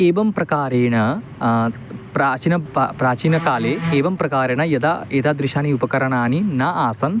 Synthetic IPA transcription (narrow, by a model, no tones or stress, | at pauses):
eːʋɐmpɾɐkaːɾeːɳɐ | pɾaːt͡ʃinɐpɾaːt͡ʃiːnɐkaːleːeːʋɐmpɾɐkaːɾeːɳɐjɐd̪aed̪ad̪ɾiʃaːniupɐkɐɾɐɳaːninɐʔaːsɐn